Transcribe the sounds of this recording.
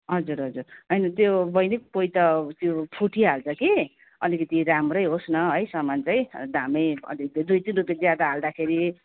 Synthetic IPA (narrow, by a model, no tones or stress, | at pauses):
ɦʌd͡zuɾɦʌd͡zurɦʌjnʌt̪jobʌjnikpojt̪ʌt̪jopʰuʈʰiɦalt͡sʰʌki | ʌlikʌt̪iɾamrʌjɦosnʌɦʌjsʌmant͡saj̃d̪amʌjʌ̰likt̪d̪ujt̪inrupjad͡zjad̪aɦald̪akʰeɾi